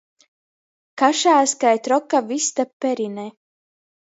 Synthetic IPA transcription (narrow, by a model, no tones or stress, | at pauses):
kaʃaːskajt̪ɾɔkːavist̪apːɛɾinɛ